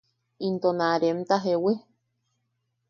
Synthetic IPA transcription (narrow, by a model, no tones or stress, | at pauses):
int̪onaɾemt̪aɦewe